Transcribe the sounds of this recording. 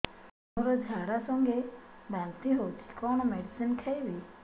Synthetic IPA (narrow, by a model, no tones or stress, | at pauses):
oɾɔd͡ʒʱaɾasɔŋɡebant̪iɦowt̪ʰi̥kɔɳ̃ɔmeɖisinkʰajbi